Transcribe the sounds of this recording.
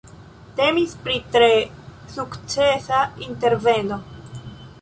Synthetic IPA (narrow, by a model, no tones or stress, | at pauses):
te̞mispɾitɾe̞ | sukt͡se̞sainte̞ɾve̞no̞